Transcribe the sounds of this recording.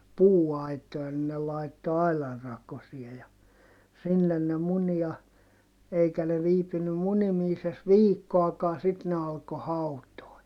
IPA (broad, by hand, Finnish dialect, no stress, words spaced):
puːɑitˑojɑ ni ne lɑitːo ɑilɑr rɑkosie jɑ sinːen ne muni jɑ eikæ ne ʋiːpynːym munimiːses ʋiːkːoɑkɑː sit ne ɑlko hɑutoi̯